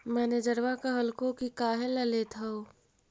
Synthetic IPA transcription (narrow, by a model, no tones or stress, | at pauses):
mɛːned͡ʒəɾʋakəɦəlkõkikaːɦeləlet̪ʰɐo